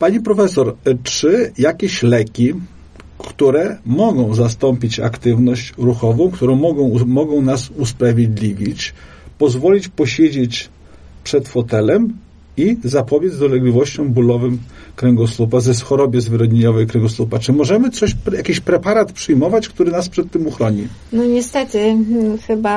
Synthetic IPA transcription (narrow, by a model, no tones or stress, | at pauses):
paɲipɾɔfɛsɔɾt͡ʂɘjakʲeɕlɛkʲi | kt̪uɾɛmɔɡɔ̃w̃zast̪ɔmpʲit͡ɕa̰kt̪ɘvnɔɕt͡ɕɾuxɔvɔ̃w̃kt̪uɾɔ̃w̃mɔɡɔ̃w̃mɔɡɔ̃w̃nasuspɾavʲjed̪lʲivʲit͡ɕ | pɔzvɔlʲit͡ɕpɔɕed͡ʑet͡ɕ | pʂɛt̪fɔt̪ɛlɛm | izapɔbʲjed̪zd̪ɔlɛɡlʲivɔɕt͡ɕɔ̃w̃bulɔvɘmkɾɛŋɡɔslupazɛsxɔɾɔbʲjɛzvɘɾɔd̪ɲeɲɔvɛjkɾɛŋɡɔslupat͡ʂɘmɔʐɛmɘt̪sɔɕjakʲiɕpɾɛpaɾat̪pʂɘjmɔvat͡ɕkt̪uɾɘnaspʂɛt̪ːɘmuxɾɔɲi | nɔɲɛst̪ɛt̪ɘxɘba